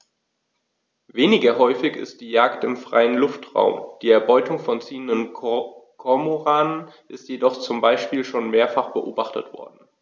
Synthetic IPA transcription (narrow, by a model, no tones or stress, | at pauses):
veːnɪɡɐɦɔʏfɪçɪ̰st̚d̥iːjaːktɪmfʁ̥a̰ɪənlʊftʁ̥a̰ʊmd̥iːɛɐbɔʏtʰʊŋfɔnt͡siːəndən | kʰɔɐmoʁaːnənʔɪstjedɔχt͡sʊmbaɪʃpiːlʃoːnmeːɐfaχb̥əʔoːbaχtə̰tv̥ɔ̰ɐd̚n̩